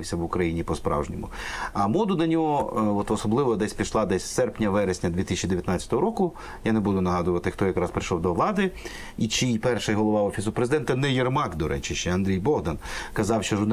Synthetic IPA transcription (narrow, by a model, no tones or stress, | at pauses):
ɪwsʲɐʋʊkɾɐjinʲipɔspɾɑ̰wʒnʲɪmʊ | ɐmɔd̪ʊnɐnʲɔɦɔɔt̪ɔsɔblˠɪʋɔd̪ɛsʲpʲiʃlˠɑd̪ɛsʲsɛrpnʲɐʋɛɾesʲnʲɐd̪ʋʲit̪isʲt͡ʃʲid̪eʋʲjɐt̪ɑt͡sʲɐ̥t̪ɔɦɔɾɔkʊ | janebud̪ʊnɐɦɑd̪ʊʋɐt̪ɪxt̪ɔjɐkɾɑspɾɪʃɔwd̪ɔʋlˠɑd̪ɪ | it͡ʃipɛrʃɪjɦɔlˠɔʋɑɔfʲisʊpɾezɪd̪ɛnt̪ɐnɛjɛrmɑɡd̪ɔɾʔɛ̰t͡ʃɪʃt͡ʃɛɐnd̪ɾʲijbɔɦd̪ɐnkɐzɑwʃt͡ʃɔʒʊrn